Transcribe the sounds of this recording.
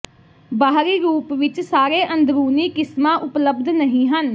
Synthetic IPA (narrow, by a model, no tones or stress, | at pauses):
baːɦɾiːɾuːpʋɪt͡ʃsaːɾeːʔə̃nd̪ɾuːniːkɪsmãːʔʊpləbd̪nəɦĩːɦən